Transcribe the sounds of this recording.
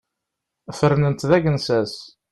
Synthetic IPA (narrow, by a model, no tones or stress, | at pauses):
fəɾnənt̪ðæɡənsæs